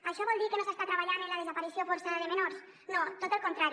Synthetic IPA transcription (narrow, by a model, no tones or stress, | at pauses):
aʃɔβold̪ikenosest̪at̪ɾaβaʎanelað̞ezapaɾisjofoɾsaðaðemenoɾs | not̪ot̪elkont̪ɾaɾ